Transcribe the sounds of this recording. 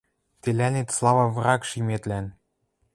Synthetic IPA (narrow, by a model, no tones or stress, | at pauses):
t̪elʲænet̪slˠɑβɑ̆vɾɑkʃimet̪læn